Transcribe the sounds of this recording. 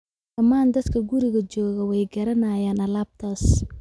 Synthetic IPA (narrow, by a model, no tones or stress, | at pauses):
d̥ɐmaːnd̪ɐd̪kʰɐɡʊɾɪɣɐt͡ʃɔːɣɐwɛjɡɐɾɐnaːjaːnɐlaːb̚t̪ʰaːs